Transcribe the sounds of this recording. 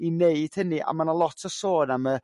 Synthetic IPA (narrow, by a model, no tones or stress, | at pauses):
ineɨd̥həniʔa̰manalˠɔtʰəsoːnamə